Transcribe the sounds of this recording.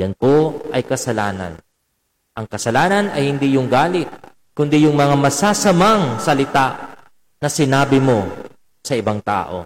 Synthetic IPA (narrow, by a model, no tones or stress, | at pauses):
jɐnpoʔɐjkɐsɐlaːnɐ̰n | ʔɐŋkɐsɐlaːnɐnɐjhɪnd̪ijʊŋɡaːlɪt̪̚ | kʊnd̪ijʊŋmɐŋamɐsaːsɐmaŋsɐlɪt̪aʔ | nɐsɪnaːbɪmo̞ | sɐʔɪbaŋt̪a̰ːʔo̞̰